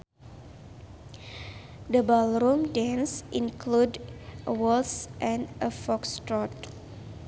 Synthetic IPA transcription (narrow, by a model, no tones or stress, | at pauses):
dəbalɾumdɛ̃nsĩnkludʔəwɔsʔɛ̃nəfɔkstɾɔt